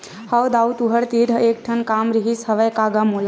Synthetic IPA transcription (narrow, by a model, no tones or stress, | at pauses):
həwd̪awt̪uɦəɾt̪iɾʱəek̚ʈʰənkamɾiɦishəʋəjkaɡamula